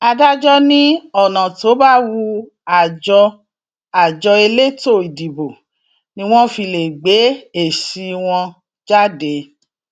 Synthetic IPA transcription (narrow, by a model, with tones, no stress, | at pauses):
a˧da˦d͡ʒɔ˦nĩ˦ɔ˦˨nã˨to˨˦ba˦wu˧ | a˨d͡ʒɔ˧ | a˨d͡ʒɔ˧e˧le˦to˦˨i˨di˨bo˨ | nĩ˧˦w̃ɔ̃˦fi˧le˨ɡ͡be˨˦e˦˨ʃi˧w̃ɔ̃˧ | d͡ʒa˦de˨˦